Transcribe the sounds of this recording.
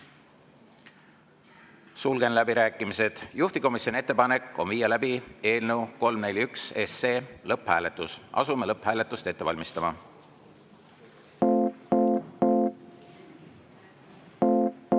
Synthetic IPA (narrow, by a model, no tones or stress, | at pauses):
sulɡ̥e̞nlæbiɾæːkːˑimise̞d̪̥juht̪iko̞misjoniet̪ːe̞pɑne̞kːˑo̞nviːjɑlæbie̞ːlnewko̞lmne̞lʲykse̞sːeːlɤpːhæːle̞t̪ːˑusʔɑ̰sume̞lɤphæːle̞t̪ːˑust̪e̞t̪ːeɑlʲmist̪ɑmɑ